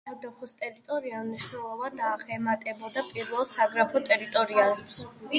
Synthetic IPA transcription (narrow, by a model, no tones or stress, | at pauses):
ad̪aχɔst̪ʼɛɾit̪ʼɔɾiamniʃnɛlˠɔvad̪aːχɛmat̪ʼɛbɔd̪apʼiɾvɛlˠsaɡɾapʰɔt̪ʼɛɾit̪ʼɔɾialɛps